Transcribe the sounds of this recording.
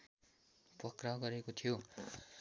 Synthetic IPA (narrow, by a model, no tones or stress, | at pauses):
pʌkrʌɡʌɾekot̪ʰijo